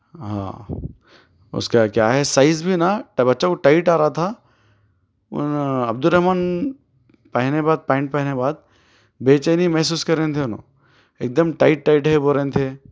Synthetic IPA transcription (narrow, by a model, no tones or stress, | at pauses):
ɦã̰ː | ʊ̰skakjaːɦɛsaːɪzbʱinaʈbɐtːʃakoʈaːɪʈaːɾaat̪ʰa | ʊ̰nɐb̚d̪ʊɾɐɦmaːn | pɐɦnebaːd̪̚pãɪɳʈ̚pɐɦnebaːd̪̚ | beːt͡ʃənimɛɦs̬uːskɐɾẽːnt̪ʰeʊnõ̰ː | eːk̚d̪əmʈaːɪʈːaɪʈɦɛboːɾẽːnt̪ʰe